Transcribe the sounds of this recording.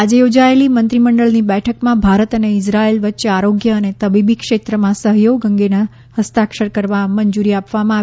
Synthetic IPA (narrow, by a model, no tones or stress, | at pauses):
ad͡ʒejod͡ʒaelimə̃nt̪ɾiməɳɖəɭnibɛʈʰəkmãbʱaɾət̪əneɪsɾaelʋətːʃeaɾoɡjəːnet̪əbibikʃet̪ɾəmãsəɦjoɡəŋɡena | həst̪akʃəɾkəɾʋaməɲd͡ʒuɾiapʋamãa